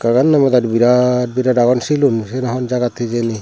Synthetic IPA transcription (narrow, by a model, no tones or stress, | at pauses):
kaɡanːamɔd̪aɾbiɾabiɾaɾaɡɔnsilunsenaɦɔnd͡ʒaɡat̪ʰːid͡ʒeni